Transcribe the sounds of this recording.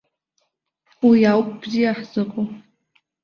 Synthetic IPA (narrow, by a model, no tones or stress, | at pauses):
wijawkʷʰʼb̥zijaħz̥ɨqʼo